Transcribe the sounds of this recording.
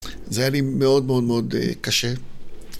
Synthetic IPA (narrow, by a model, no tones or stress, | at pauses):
zajalimeo̞d̪meo̞d̪meo̞d̪ḛkaʃe